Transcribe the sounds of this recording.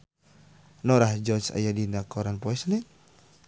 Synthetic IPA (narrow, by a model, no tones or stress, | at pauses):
nɔɾahd͡ʒɔsa̰jadinakɔɾanpɔɛsnit̪̚